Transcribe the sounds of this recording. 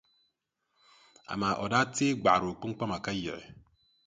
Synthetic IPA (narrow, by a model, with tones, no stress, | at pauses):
a̰˨ma˨ʔɔ˨da˦teː˦ɡ͡ba˨ɾo˨k͡pu˦ŋ͡m̩˦k͡pa˦ma˨ka˦je˨ɾḛ˨